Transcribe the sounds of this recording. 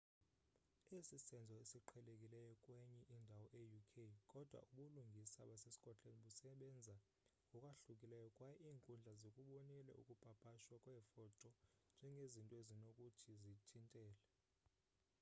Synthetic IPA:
esisɛnd͡zʱɔesiǃʰɛlekʼilɛjɔkʼwɛɲɛʔindʱawɔʔejukʰejkʼɔd̥ʱwa̰ʔuɓuluŋɡʱisaɓasesi̥kʼɔtʼeniɓusɛɓɛnd͡zʱa | ŋɔkʼwaɬukʼilɛjɔkʼwajɛiːŋkʼund͡ɮʱazokʼuɓɔnilɛ̰ʔṵkʼub̥ʱab̥ʱaʃwakʼwɛfɔtʰʼɔnd͡ʒʱɛŋɡʱezintʼɔezinokʼutʰizitʰintʼɛːlɛ

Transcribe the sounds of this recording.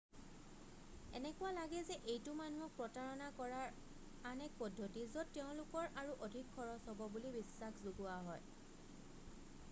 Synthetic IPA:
ɛ̰nɛkʊwalaɡɛzɛʔejtʊmanuɔk̚pɹɔtaɹɔnakɔɹaɹ | anɛk̚pɔdʱːotizɔtːeʊ̃lʊkɔɹʔaɹuʔodʱikʰːɔɹɔsɔbɔbulibisːaxzuɡʊaɦɔj

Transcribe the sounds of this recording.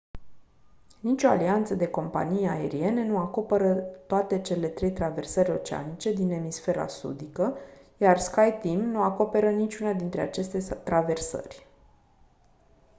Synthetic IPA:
nit͡ʃʲo̞a̰liant̪səd̪e̞ko̞mpa̰nijae̞ɾie̞ne̞nuako̞peɾət̪oat̪e̞t͡ʃe̞le̞t̪ɾe̞jt̪ɾave̞rsəɾʲo̞t͡ʃea̰nit͡ʃe̞d̪ine̞misfe̞ɾa̰sṵd̪ikəjarskajt̪imnuako̞pe̞ɾənit͡ʃʲunad̪int̪ɾe̞at͡ʃe̞st̪e̞t̪ɾave̞rsə̰rʲ

